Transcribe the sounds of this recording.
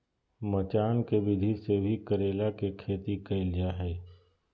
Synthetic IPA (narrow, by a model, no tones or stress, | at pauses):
mət͡ʃaːnkebɪd̪ʱisebʱikəɾeːlakekʰeːt̪ikɐɪld͡ʒaɦɛː